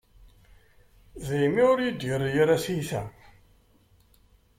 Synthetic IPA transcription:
zæjmiʊɾjid̪jəɾjəɾæsiθæ

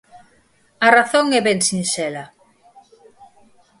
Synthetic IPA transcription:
ɐraθoŋɛβɛŋsinsɛlɐ

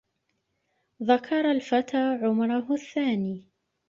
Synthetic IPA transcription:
ðakʰɑɾˤalfat̪aːʕʊmɾˤʊɦʊθːaːniː

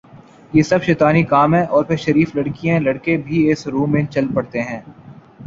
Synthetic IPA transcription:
jeːsɐbʃeːt̪aːnikaːmɦɛ̃ʔɔːɾpʰɪɾʃɐɾiːflɐɽkijãlɐɽkebʱiɪsɾũːmːẽt͡ʃɐlpɐɽt̪eɦɛ̃ː

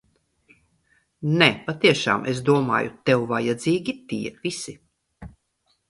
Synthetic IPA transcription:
nɛpat̪iɛʃa̰ːmʔes̬d̪uɔma̰ːjṵt̪ɛwvajad̪ziːɡʲit̪iɛvisi

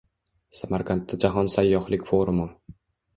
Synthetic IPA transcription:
samaɾkʰant̪ːad͡ʒaɦɒnsajːɒχlɪkʲfoɾʊmʊ

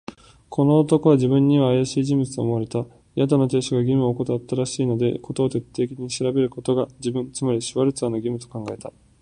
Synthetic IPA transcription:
kʰo̞no̞ːt̪o̞ko̞βad͡ʑibɯ̟̃ɲ̟ːiβaːjaɕiːʑĩmbɯt͡sɨo̰ːmo̞aɾe̞t̪a | jad̪anot̪e̞ːɕoɡaɡʲimɯ̟oːko̞t̪at̪ːaɾaɕiːno̞d̪e̞̰ko̞t̪o̞ːt̪e̞t̪ːe̞ːkʲiɲ̟iɕiɾabe̞ɾɯ̟ko̞t̪o̞ɡad͡ʑibɯ̟̃nt͡sɨmaɾʲiɕiβaɾɯ̟t͡sɨanoɡʲimɯ̟t̪o̞̥kãŋɡaet̪a

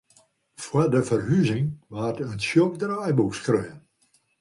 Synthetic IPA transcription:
fwədəfərhyzɪŋʋaːtənsjokdraːjbukskrøːən

